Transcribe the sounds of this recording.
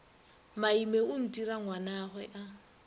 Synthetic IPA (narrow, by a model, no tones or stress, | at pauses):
maimeʊn̩tiɾaŋwanaɣwɛʔa